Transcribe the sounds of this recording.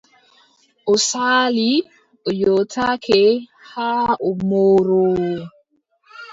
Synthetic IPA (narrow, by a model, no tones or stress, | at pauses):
osali | ojotakʰehaomoːɾo